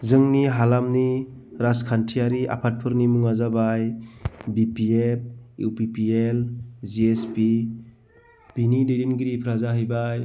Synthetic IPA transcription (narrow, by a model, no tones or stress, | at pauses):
zɯŋniɦalamniɾaskʰantʰiaɾiʔa̰pʰat̚pʰɯɾnimuŋazabajbipiep̚upipielziespi | b̥inidedinɡiɾipʰɾazaɦɯjbaj